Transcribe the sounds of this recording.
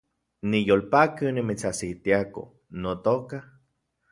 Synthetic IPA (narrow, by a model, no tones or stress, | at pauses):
nijolpakɨnimit͡sasit̪iako̰ | not̪oka